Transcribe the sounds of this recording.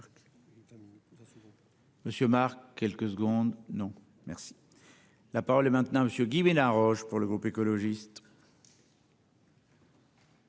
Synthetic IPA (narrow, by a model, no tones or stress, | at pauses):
məsjømaʁkʲːɛlkəsəɡɔ̃d̪nɔ̃ | mɛʁsi̥ | lapaʁɔlɛmɛ̃t̪nɑ̃aməsjøɡʲimelɛ̃ʁɔʒpuʁləɡʁupekɔlɔʒist̪